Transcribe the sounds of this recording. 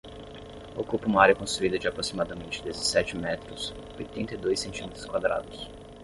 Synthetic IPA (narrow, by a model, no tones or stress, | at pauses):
okupɐũmɐaɾjɐkõst̪ɾuid̪ɐd͡ʒɪapɾosimad̪ɐmẽnt͡ʃɪd̪ezesɛt͡ʃɪmɛt̪ɾʊs | ojt̪ẽnt̪ɐjd̪ojsːẽnt͡ʃimet̪ɾʊskwad̪ɾa̰d̪ʊs